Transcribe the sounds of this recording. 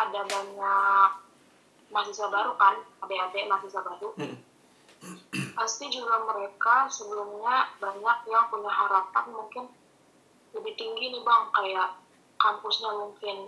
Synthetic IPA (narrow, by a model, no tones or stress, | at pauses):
ʔadabaɲak̚ | masisabaɾukanadaadamasisabaɾunɪ | past̪id͡ʒuɡaməɾekasəbəlʊmɲabaɲak̚jaŋpuɲahaɾap̪anmuŋkɪn | ləbɪht̪iŋɡinɪhbaŋkajaʔ | kampʊsɲamuŋkɪn